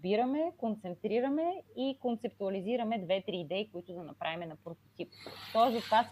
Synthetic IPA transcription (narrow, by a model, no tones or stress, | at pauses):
biɾɐmɛkont̪sɛnt̪ɾiɾɐmɛikont̪sɛp̚t̪uɐliziɾɐmɛd̪vɛt̪ɾiːd̪ɛikoʊit̪ʊd̪ɐnɐpɾʔavimɛnɐpɾot̪o̥t̪ip̚t̪ɔɛzot̪vas